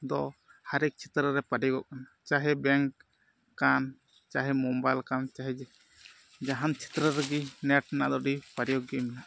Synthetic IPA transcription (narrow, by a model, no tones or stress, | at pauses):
d̪ɔhaɾik̚t͡ʃʰit̪ɾəɾɛpaɖijɡɔʔkanat͡ʃaɦɛbɛŋkː | an | t͡ʃaɦɛmɔmbajlkant͡ʃaɦɛd͡ʒɛ | d͡ʒaɦant͡ʃʰi̥t̪ɾəɾɛɡinɛʈ̚na̰ʔd̪ɔɖipaɖijɔɡimina